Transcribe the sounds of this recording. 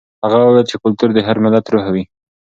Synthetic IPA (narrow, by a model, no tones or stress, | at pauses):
haɣawəwejlt͡ʃekʊlt̪uɾd̪əɦaɾmɪlad̪ɾuɦawi